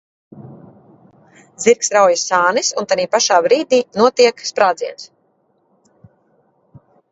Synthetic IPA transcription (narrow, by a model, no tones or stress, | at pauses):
ziɾksɾawjasaːnisunt̪aniːpaʃaːbɾiːd̪iːnuɔt̪iɛkspɾaːd̪ziɛns